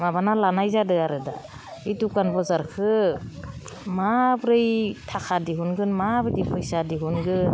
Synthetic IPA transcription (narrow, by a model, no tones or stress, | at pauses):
mabanalanajzadɯaɾɯda̰ | itukanbɔzaɾkʰɯ | mabɾɯjtʰakʰadiɦunɡɯnmabɯdipʰɔjsadiɦunɡɯn